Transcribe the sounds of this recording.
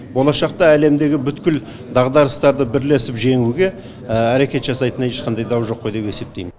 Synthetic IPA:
bo̞lˠɑʃɑq̚t̪ɑæle̞md̪e̞ɡʲɪbʏt̪kʲɪl | d̪ɑʁd̪ɑɾəst̪ɑɾd̪əbɪɾle̞sɪpʒe̞ŋuɡʲe̞ | æɾe̞kʲe̞t̪ʒɑsɑjt̪ənɑje̞ʃqɑnd̪ɑjd̪ɑwʒo̞qːo̞jd̪e̞pe̞se̞p̚t̪e̞jmɪn

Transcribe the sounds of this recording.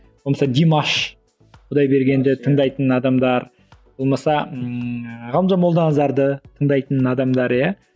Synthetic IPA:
bolmɑsɑd̪ʲimɑʃ | qʰʊd̪ɑjbe̞ɾɡʲe̞nd̪ɪt̪ʰəɴd̪ɑjt̪ənɑd̪ɑmd̪ɑɾ | b̥olˠmɑsɑ | ʁɑlˠəmʒɑmolˠd̪ɑnɑzɑɾd̪ət̪ʰəɴd̪ɑjt̪ənɑd̪ɑmd̪ɑɾja

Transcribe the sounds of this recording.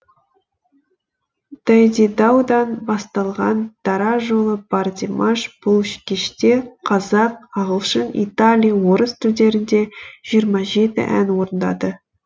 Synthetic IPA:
d̪̥æjd̪id̪ɑwd̪ɑnbɑst̪ɑlˠʁɑnd̪̥ɑɾɑʒo̞lˠəb̥ɑrd̪ʲimɑʃb̥ʊlˠʏʃkʲeʃt̪e̞qʰɑzɑq̚ɑʁəlˠʃənḭt̪alʲijwo̞ɾəst̪ʰʏɾd̪e̞ɾɪnd̪e̞ʒ̥ijəɾmɑʒe̞t̪ɪ̰ʔæ̰nwo̞ɾənd̪ɑ̰d̪ə

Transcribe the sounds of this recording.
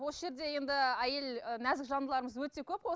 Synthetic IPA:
wosəʒe̞ɾd̪e̞je̞nd̪ɪæje̞lənæzɪkʒɑnd̪əlˠɑɾəməzwɵt̪e̞kʲʰɵp̚qʰo

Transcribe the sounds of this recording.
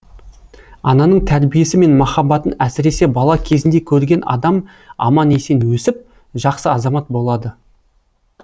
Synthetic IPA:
ɑ̰nɑnəɴt̪ʰæɾbije̞sɪme̞nmɑχɑbɑt̪ənæsɪɾe̞se̞bɑlˠɑkʲʰe̞zɪnd̪e̞kʲʰɵɾɡʲe̞nʔɑ̰d̪ɑm | ɑ̰mɑne̞se̞nwɵsɪp̚ | ʒɑqsəɑzɑmɑt̪̚bo̞lˠɑd̪ə

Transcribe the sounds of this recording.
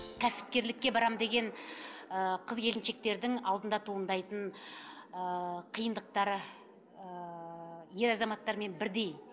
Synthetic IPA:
kʲʰæsɪ̥p̚kʲe̞ɾlɪkʲːe̞bɑɾɑmd̪e̞ɡʲe̞nəqʰəzɡʲʰe̞lɪnʃe̞k̚t̪e̞ɾd̪ɪŋɑlˠd̪ənd̪ɑt̪ʰuənd̪ɑjt̪əɴ | əqʰijənd̪əq̚t̪ɑɾə | ə | je̞ɾɑzɑmɑt̪ːɑɾme̞nbɪɾd̪e̞j

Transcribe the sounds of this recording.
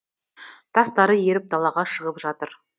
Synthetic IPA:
t̪ʰɑst̪ɑɾəje̞ɾɪp̚d̪ɑlˠɑʁɑʃəʁəpʒɑt̪əɾ

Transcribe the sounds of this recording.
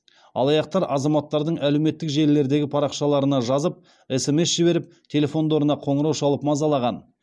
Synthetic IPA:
ɑ̰lˠɑjɑq̚t̪ɑɾʔɑzɑmɑt̪ːɑɾd̪əɴʔælewme̞t̪ːɪkʒe̞lːe̞ɾd̪e̞ɡʲɪpʰɑɾɑqʃɑlˠɑɾənɑʒɑzəp̚ | ese̞me̞sʒ̥ɪbe̞ɾɪp̚t̪ʲʰe̞lʲe̞fo̞nd̪o̞ɾənɑqʰo̞ɴəɾɑwʃɑlˠəpmɑzɑlˠɑʁɑn

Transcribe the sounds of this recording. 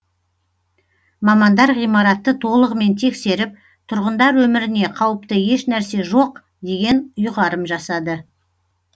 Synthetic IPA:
mɑmɑnd̪ɑɾʁijmɑɾɑt̪ːət̪ʰo̞lˠəʁəme̞nt̪ʰe̞kse̞ɾɪp̚ | t̪ʰʊɾʁənd̪ɑɾwɵmɪɾɪne̞qʰɑwəpt̪əje̞ʃnæɾse̞ʒo̞q | d̪e̞ɡʲe̞nʊjʁɑɾəmʒɑsɑd̪ə

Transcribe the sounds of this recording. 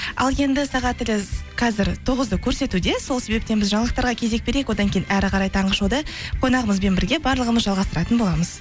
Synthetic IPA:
ɑ̰lˠje̞nd̪ɪsɑʁɑt̪ːɪlɪqʰɑzɪɾt̪ʰoʁəzd̪əkʲʰɵɾse̞t̪ud̪e̞so̞lˠse̞be̞p̚t̪e̞nbɪzʒɑɴlˠəq̚t̪ɑɾʁɑkʲʰe̞ze̞k̚be̞ɾekwo̞d̪ɑŋkʲʰejinʔæɾɪqʰɑɾɑjt̪ʰɑɴʁəʃud̪ɑqʰo̞nɑʁəməzbe̞nbɪɾɡʲe̞bɑɾlˠəʁəməzʒɑlˠʁɑst̪əɾɑt̪ənbo̞lˠɑməz̥

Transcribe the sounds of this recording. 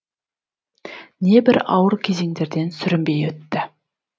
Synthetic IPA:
ne̞bɪɾɑ̰wəɾkʲʰe̞ze̞ŋd̪e̞ɾd̪e̞nsʏɾɪmbe̞jwɵt̪ːɪ

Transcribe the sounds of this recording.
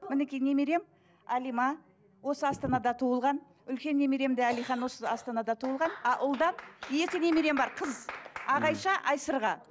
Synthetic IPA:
mɪnekʲijne̞meɾe̞m | ælijmɑ | wo̞səɑst̪ɑnɑd̪ɑt̪ʰuəlˠʁɑn | ʏlkʲe̞nːe̞me̞ɾe̞md̪eælijχɑnwo̞səɑst̪ɑnɑd̪ɑt̪ʰuəlˠʁɑnɑʔʊlˠd̪ɑnje̞k̪ʲɪne̞me̞ɾe̞mbɑɾqʰəzɑʁɑjʃɑʔɑjsəɾʁɑ

